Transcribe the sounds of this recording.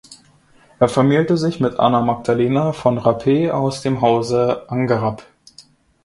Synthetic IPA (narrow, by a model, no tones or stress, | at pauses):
ʔeːɐfɛɐmiːltəzɪçmɪtʔa̰namak̚d̥aleːnafɔnʁapʰeːa̰ʊsd̥eːmɦaʊzəʔaŋɡaʁap